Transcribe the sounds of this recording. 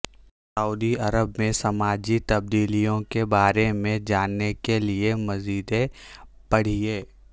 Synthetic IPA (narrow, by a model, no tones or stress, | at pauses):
səuːd̪iɐɾəbmẽsɐmaːd͡ʒit̪ɐb̚d̪iːlijõkebaːɾemẽd͡ʒaːnːekeliemɐziːd̪ẽ | b̥ɐɽ̤ieː